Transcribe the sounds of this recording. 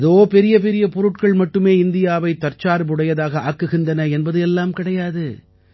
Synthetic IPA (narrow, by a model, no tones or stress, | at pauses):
ɐðoːpɛɾɪjɐp̬ɛɾɪjɐpɔɾɯʈkɐɭmɐʈːɯmeːɪnd̪ɪjaːʋɐɪt̪ːɐɾt͡ʃaːɾɯbɯɽɐjɐðaːɣɐaːkːɯɣɪndɐnɐɛnbɐðɯɛlːaːmkɪɽɐjaːðɯ